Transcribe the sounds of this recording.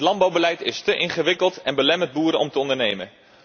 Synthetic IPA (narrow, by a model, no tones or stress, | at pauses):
tlɑnbɑwbəlɛjtɪstəʔɪnχəʋɪkəlˠtɛnbəlɛmənd̚buːɾəɔmtəɔndəɹnejmə̰n